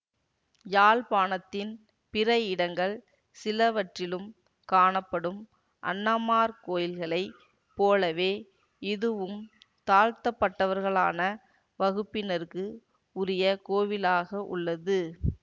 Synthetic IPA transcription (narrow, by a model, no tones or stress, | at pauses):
jaːlpaːnɐt̪ːɪn | pɪɾɐjɪɽɐŋɡɐɭ | sɪlɐʋɐʈrɪlɯm | kaːɳɐpːɐɽɯm | ʔɐ̰nːaːmaːɾkoːjɪlɣɐɭɐɪ | poːlɐʋeː | ɪðɯʋɯm | t̪aːɻt̪ɐpːɐʈːɐʋɐɾɣɐɭaːnɐ | ʋɐɣɯpːɪnɐɾkɯ | ʊɾɪjɐkoːʋɪlaːɣɐʔʊ̰ɭːɐðɯ